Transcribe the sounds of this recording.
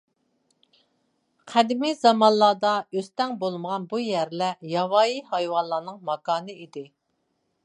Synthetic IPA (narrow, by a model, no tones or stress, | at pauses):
qʰæd̪ɪmɪzɑmɑnlˠɑːd̪ɑøst̪ɛŋbolˠməʁɑnbujæɾlɛjɑwɑːjihɑjwɑnlˠɑnɨŋmɑkɑːnɨid̪ɪ